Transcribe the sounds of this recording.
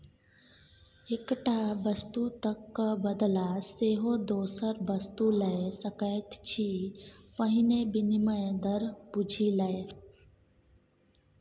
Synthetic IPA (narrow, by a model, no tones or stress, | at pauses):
ekʈabəst̪ut̪əkːbəd̪laseɦod̪oːsəɾbəst̪uləesəkajt̪t͡ɕʰiːpəɦinebiniməd̪əɾbud͡ʒʱiləe